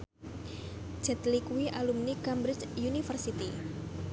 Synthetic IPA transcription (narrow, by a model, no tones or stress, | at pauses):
d͡ʒ̥ɛt̪likuwiʔalumnikambɾɪt͡ʃjunifərsit̪i